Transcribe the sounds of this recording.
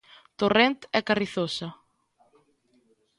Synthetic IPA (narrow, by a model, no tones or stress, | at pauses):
t̪orent̪ɛkariθosɐ